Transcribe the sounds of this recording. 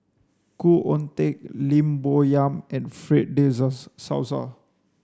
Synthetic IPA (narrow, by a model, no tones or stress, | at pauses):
kuʔɔ̃nt̪ek̚lĩmbojãmɛ̃nfɹit̚dezəsːa̰wsə̰